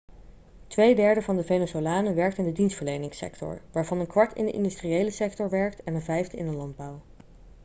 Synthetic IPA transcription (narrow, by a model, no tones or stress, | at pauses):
tʋejdɛɹdəvɑndəvejnəsolaːnəʋɛɹk̚tɪndədinstfəɹlejnɪŋsɛ̰ktɔ̰ɹʋaːɹvɑnənkʋɑɹtɪ̰ndəʔɪ̰ndystriejləsɛk̚tɔɹʋɛɹktɛnənvɛjfdəɪ̰ndəlɑnd̚bʌw